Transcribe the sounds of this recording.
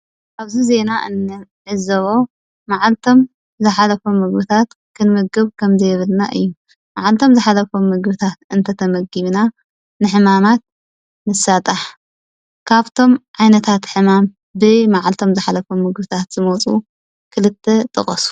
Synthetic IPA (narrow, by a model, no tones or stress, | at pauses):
ʔaβzize̞naʔɨ̰nːɨʕɨzɐβo̞ | maʕalt̪ʰo̞m | zɨħalɐfomɨɡbɨt̪ʰat̪ | kʰɨnmɨɡɨβkʰɐmzɐjɛβɨlna̰ʔɨ̰jːu | maʕalt̪ʰo̞mzɨħalɐfomɨɡbɨt̪ʰat̪ɨnt̪ʰɐt̪ʰɐmɐɡiβna | nɨħɨmamat̪̚ | mɨsːat̪ʼaħ | kʰaβt̪ʰo̞mʕajnɐt̪ʰat̪ħɨmam | bɨmaʕalt̪ʰo̞mzɨħalɐfomɨɡbɨt̪ʰat̪z̥ɨmot͡sʼu | kʰɨlɨt̪ʰːet̪ʼɨχʼɐsu̥